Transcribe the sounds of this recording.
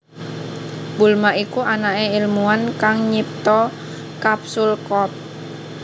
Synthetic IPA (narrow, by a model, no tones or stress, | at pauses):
bulmaʔikuʔanaɛilmuankaŋɲip̚t̪ɔ | kapsulkɔp̚